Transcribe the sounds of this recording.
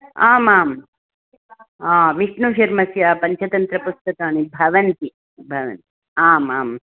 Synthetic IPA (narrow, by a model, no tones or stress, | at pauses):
aːmaːm | aːʋiʂɳuʃɐɾmɐsjaːpɐɲt͡ʃʰɐt̪ɐnt̪ɾɐpust̪ɐk̪aːnibʱɐʋɐnt̪i | bʱɐʋɐ̰nt̪i | aːmaːm